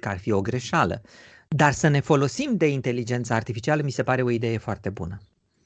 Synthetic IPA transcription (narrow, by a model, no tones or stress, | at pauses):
kəarfio̞ɡɾe̞ʃalə̰ | d̪arsəne̞fo̞lo̞simd̪e̞int̪e̞lid͡ʒe̞nt̪səart̪ifit͡ʃialəmise̞paɾe̞o̞id̪e̞jefoart̪e̞bṵnə